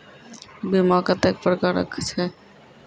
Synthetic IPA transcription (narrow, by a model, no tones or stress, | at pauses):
bimakat̪ɛk̚pɾkaɾɾa̰kʰḁt͡ɕʰe